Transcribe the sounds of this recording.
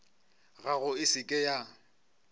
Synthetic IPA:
ɣaɣʊɪsɪkʼɛja

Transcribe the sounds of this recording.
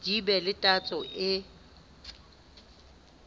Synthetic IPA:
d̥ibɛlɪtʼat͡sʼɔʔɪ

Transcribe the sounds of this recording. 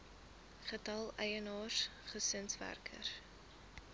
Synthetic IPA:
χətɐlˠɛjənɑːsχəsənsvæ̰rkʰə̰r

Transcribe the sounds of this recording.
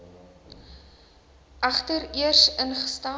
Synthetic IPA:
ʔɐχtəriərsənχə̥stɑː

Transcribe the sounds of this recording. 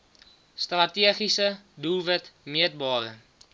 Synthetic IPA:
strɐtiəχisədulˠvətmiət̚bɑːɾə̰

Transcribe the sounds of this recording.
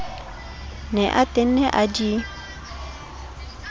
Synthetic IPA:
nɛʔatʼen̩nɛʔad͡ʒi

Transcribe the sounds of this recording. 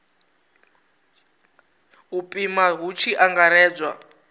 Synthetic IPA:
upʼimaɦut͡ʃʰiʔaŋɡaɾɛːd͡zʷwa

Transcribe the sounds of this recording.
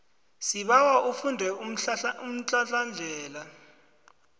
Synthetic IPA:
siɓawaʔufundʱɛuum̩t͡ɬʼaɬand͡ɮʱɛːla

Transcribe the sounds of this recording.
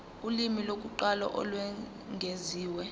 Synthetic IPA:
ulimilok̬ʼuǃalɔ̰ʔɔ̰lwɛ | ŋʱeziːwɛ

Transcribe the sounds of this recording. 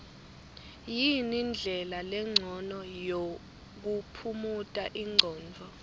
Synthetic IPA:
jinind͡ɮʱɛlalɛŋ͡ǀʱɔnɔjo | k̬upʰumutʼaʔiŋ͡ǀʱɔːnd͡vʱɔ

